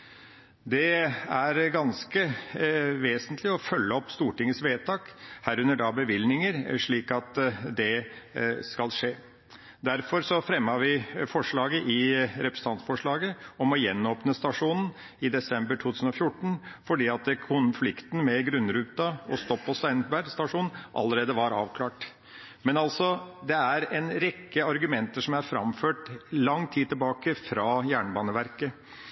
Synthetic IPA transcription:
d̪ɛæɾɡɑnskə | ʋeːsənt̪ʰlɪɔfœlːəɔpːst̪uːʈɪŋːəsʋeːt̪ʰɑːkhæːɾʉnːəɖɑbəʋɪlnɪŋəɾʂɭiːkɑt̪d̪ɛ | skɑlʂeː | d̪æɾfɔɾsɔfɾɛmːɑʋɪfɔʂɭɑːɡəʔɪɾɛpɾəsənɑnsfɔʂɭɑːɡəɔmɔjɛnːoːpnəst̪ɑʂuːnn̩ | ɪd̪ɛsɛmbəʈʰuːt̪ʰʉːsn̩ɔfjʊʈːɳ̩fɔɖiːɑt̪kʰʊnflɪkt̪n̩mɛɡɾʉnːɾʉːt̪ɑɔst̪ɔpːɔst̪æɪnbæst̪ɑʂuːnʔɑ̰lːəɾeːd̪əʋɑɾɑ̰ːʋkʰlɑːʈ | mɛnɑlsɔd̪ɛæɾɛnɾɛkːəɑɾɡʉmɛnt̪əʂɔmæɾfɾɑ̰mføːʈlɑŋːt̪ʰiːd̪t̪ʰːɪlbɑːkəfɾɑːjæːɳəbɑːnəʋæɾkə

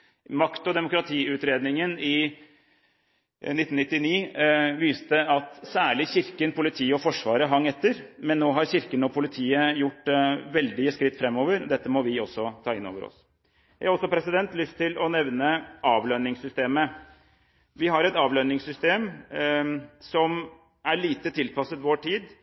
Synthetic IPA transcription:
mɑkt̪ɔd̪ɛmʊkɾɑt̪ʰiːʉːt̪ɾeːd̪nɪŋənɪ | nɪt̪ːn̩ɪt̪ːɪniːʋiːst̪əɑt̪sæːɭɪçɪɾkənpʊlɪt̪ʰiːəɔfɔʂʋɑːɾəɦɑŋːɛt̪ːəɾmɛnːoːɦɑɾçɪɾkənɔpʰʊlɪt̪ʰiːəjʊʈːʋɛld̪ɪskɾɪt̪ːfɾɛmːoːʋəɾd̪ɛt̪ːəmɔʋɪɔsːɔt̪ʰɑːɪnːo̰ːʋəɾɔ̰s | jæɪɑɾɔsɔpʰɾɛsɪd̪ɛnt̪lʏst̪ʰːɪlʔɔnɛʋnəʔɑːʋlœnɪŋsʏst̪eːmə | ʋɪɦɑɾɛt̪ɑːʋlœnɪŋsʏst̪eːm | sɔm | æɭiːt̪ət̪ʰɪlpʰɑsət̪ʋoːʈʰiːd̪

